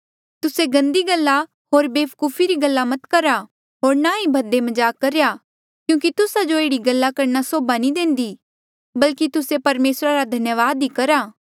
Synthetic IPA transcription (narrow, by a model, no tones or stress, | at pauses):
t̪ʊseɡɐ̃nd̪iɡɐlːa | ɦoːɾbeːpʰkuːfʰiɾiɡɐlːamɐt̪kɐɾa | ɦoːɾnaibʱɐd̪emɐd͡ʒaːkɐɾeja | kjũːk̬it̪ʊsad͡ʒoeːɽiɡɐlːakɐɾnasoːbanĩd̪ẽːnd̪i | bɐlkit̪ʊsepɐɾmeːsɾaɾad̪ʱɐnjəʋaːd̪ɦikɐɾaː